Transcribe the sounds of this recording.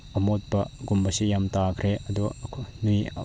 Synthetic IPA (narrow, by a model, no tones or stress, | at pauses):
ɐmot̚bɐɡumbɐsijamtakʰɾeʔɐd̪ɔkʰnuj̰